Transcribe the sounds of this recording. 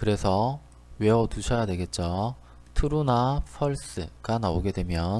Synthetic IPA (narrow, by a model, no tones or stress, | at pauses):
kɯɾe̞sʰʌ | we̞ʌtuɕʰʌjadwe̞ɡe̞t̚t͡ɕ͈o | tʰuɾunapʰʌɭs͈ɯɡ̥anaoɡe̞dwe̞mjʌn